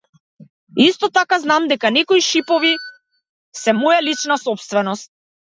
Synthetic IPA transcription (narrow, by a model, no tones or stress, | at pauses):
ist̪ɔt̪akaznamd̪ɛkanɛkɔiʃipɔvi | sɛmɔjalit͡ʃnasɔpst̪vɛnɔst̪̚